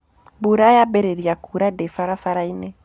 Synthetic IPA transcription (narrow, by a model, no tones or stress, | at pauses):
buɾajabɛɾeɾiakuɾadɛfaɾafaɾainɛ